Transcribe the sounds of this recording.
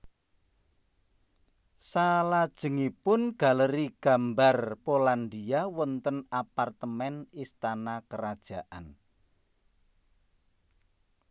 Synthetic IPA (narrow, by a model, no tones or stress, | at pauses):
salad̥ʒ̥ə̤ŋipʊnɡ̥a̤ləɾiɡ̥a̤mbarpoland̪iawɔnt̪ənapart̪əmɛnist̪anakəɾad̥ʒ̥a̤ʔan